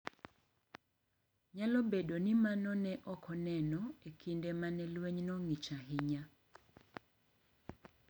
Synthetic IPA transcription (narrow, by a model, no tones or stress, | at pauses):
ɲalɔbedonimanɔnɛʔɔkʰɔnɛnɔekʰindemanɛlweɲnɔŋit͡ʃaɦɪɲa